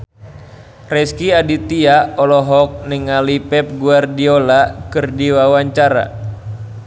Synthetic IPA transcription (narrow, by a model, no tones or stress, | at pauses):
rɛskiadit̪iaɔlɔɦɔk̚niŋalipɛp̚ɡuardiolakɨrdiwawaɲt͡ʃaɾa̰